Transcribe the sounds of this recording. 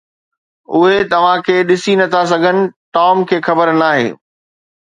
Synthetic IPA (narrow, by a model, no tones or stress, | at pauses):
ʊɦet̪ɐʋ̤ãkʰeːɗɪsinɐt̪ʰas̬ɐɡʱənɪ̆ʈɔːmkʰeːxɐbəɾnaːɦḛː